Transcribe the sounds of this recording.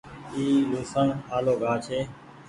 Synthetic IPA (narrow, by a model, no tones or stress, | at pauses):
iːluːsəɳaːloːɡʱaːt͡ʃʰeː